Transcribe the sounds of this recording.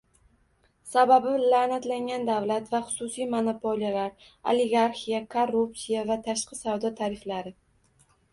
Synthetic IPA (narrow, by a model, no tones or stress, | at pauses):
sababɪlanat̪laŋʲand̪avlat̪vaχʊ̥sʊsijmonopʰolijalaɾ | o̰leɡaɾxijakʰorːupsijavat̪ʰaʃqɨsawd̪ɒt̪ʰaɾɪflaɾɪ